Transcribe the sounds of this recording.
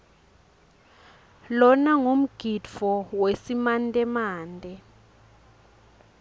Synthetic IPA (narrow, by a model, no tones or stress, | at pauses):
lɔnaŋom̩ɡ̥ʱidfɔwesimantʼɛmaːndʼɛ